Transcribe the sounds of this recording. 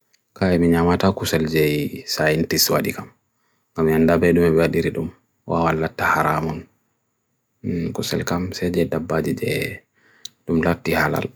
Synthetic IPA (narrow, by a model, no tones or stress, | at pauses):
kaɛmiɲamatakusɛld͡ʒɛjsajintiswa̰ɗikam | ɡamandabɛɗumɛbɛwaɗiɾiɗum | wawalːatːahaɾamɔn | kusɛ̰lkamsɛd͡ʒɛdabːad͡ʒid͡ʒɛ̰ | ɗumlatːihala̰l